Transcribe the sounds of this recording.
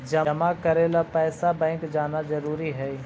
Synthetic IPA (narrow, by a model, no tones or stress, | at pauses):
d͡ʒɐmakɐɾeːlapɛːsabɛ̃ːŋkd͡ʒaːnazɐɾuːɾiɦɛː